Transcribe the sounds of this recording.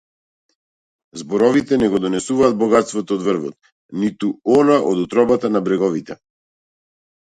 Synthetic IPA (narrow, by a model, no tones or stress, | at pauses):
zbɔɾɔvit̪ɛnɛɡɔd̪ɔnɛsuvaːd̪̚bɔɡat̪st̪vɔt̪ɔːd̪vr̩vɔ̰t̪ | nit̪uɔnaʔɔd̪ut̪ɾɔbat̪anabɾɛɡɔvit̪ɛ